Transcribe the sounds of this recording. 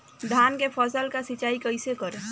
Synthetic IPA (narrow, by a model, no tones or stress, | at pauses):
d̪ʱaːnkepʰəsəlkasit͡ʃaːikəɪsekəɾe